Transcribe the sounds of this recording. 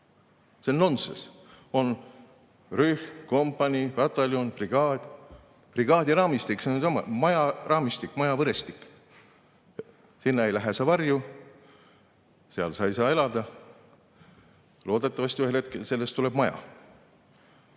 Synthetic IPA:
selno̞nsḛs | o̞n | ryhko̞mpːˑɑnʲikɑt̪ːˑɑlʲjonpriɡ̥ɑːd̪̥ʲ | priɡ̥ɑːd̪̥ʲjɑɾɑːmist̪iksensɑmːɑ̰mɑjɑrɑːmist̪ikːˑmɑjɑvɤɾe̞st̪i̥kːˑ | sinːɑe̞jlæɦesɑvɑrju | seɑ̰lsɑjsɑːe̞lɑd̪̥ɑ | lo̞ːd̪et̪ːˑɑvɑsʲt̪yhe̞lhet̪̚kelse̞lːe̞st̪ːule̞b̥mɑjɑ̰

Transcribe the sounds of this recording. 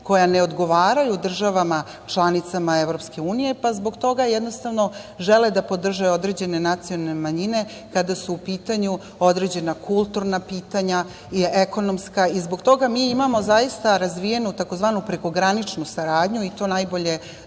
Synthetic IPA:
ko̞jane̞od̪ɡo̞ʋaːɾajud̪r̩ʒaʋama | t͡ʃlˠanit̪samaeʋɾo̞pske̞uːnije̞pazbo̞ɡt̪o̞ɡajed̪no̞st̪aʋno̞ʒeled̪apo̞d̪r̩ʒeo̞d̪ɾe̞d͡ʑe̞ne̞nat̪sijonemaɲine̞ | kad̪asuːpiːt̪aɲu | o̞d̪ɾe̞d͡ʑe̞nakʰulˠt̪uɾnapiːt̪aɲa | ieko̞no̞mskaizbo̞ɡt̪o̞ɡamiːimamo̞zajist̪aɾazʋije̞nut̪ako̞zʋaːnupɾe̞ko̞ɡɾanit͡ʂnusaɾaːd̪ɲuit̪o̞najbo̞ʎe̞

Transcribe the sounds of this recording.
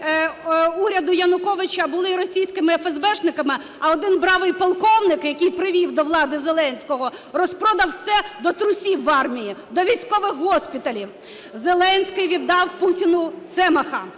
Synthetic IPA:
uɾʲɐd̪ʊjɐnʊkɔʋɪt͡ʃɐbʊlˠɪɾɔsʲijsʲkɪmɪɛfɛzbɛʃnɪkɐmɪ | ɐɔd̪ɪnbɾɑʋɪjpɐlˠkɔwnɪkjɐkɪjpɾɪʋʲiwd̪ɔʋlˠɑd̪ɪzelˠɛnʲsʲkɔɦɔrɔspɾɔd̪ɐwsɛd̪ɔt̪ɾʊsʲiʋːɑrmʲijid̪ɔʋʲijsʲkɔʋɪxɦɔsʲpʲɪt̪ɐlʲiw | zelˠɛnʲsʲkɪjʋʲid̪ːɑwputʲinʊt̪sɛmɐxɐ

